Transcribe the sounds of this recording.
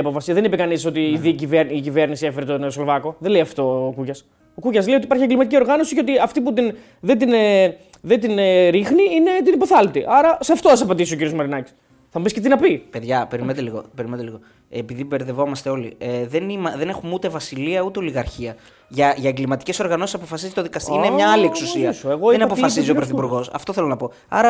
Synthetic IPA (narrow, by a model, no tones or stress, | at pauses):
ɐpofɐsiðenipekɐniso̞t̪iːðiciveɾicive̞ɾnisiefeɾet̪onslovɐko̞ðenlejɐft̪o̞ːkucɐs | okucɐzlejoipɐɾçieɡlimɐt̪icio̞ɾɣɐno̞siceo̞t̪iɐft̪ip̬ut̪in | ðet̪ine | ðend̪ineɾixniine̞t̪inipo̞θɐlt̪iʔɐɾɐseɐft̪oθɐs̬ɐpɐd̪isiociɾiozmɐɾinɐci̥s | θɐmubisce̞t̪inɐpipe̞ðʝɐpeɾiment̪eliɣo̞̰peɾiment̪eliɣo̞ | epiðibeɾðe̞vo̞mɐst̪eo̞lḭeðenimɐðene̞xumut̪e̞vɐsiliɐut̪e̞oliɣɐɾçiɐ | ʝɐʝɐeŋɡlimɐt̪i̥ce̞so̞ɾɣɐno̞sisɐpo̞fɐsizit̪oðikɐst̪iinemɲɐɐlieksusiɐisoeɣo̞enɐpoffɐsiziopɾoθipuɾɣo̞sɐ̰ft̪oθelo̞nɐpo̞ | ɐ̰ɾɐ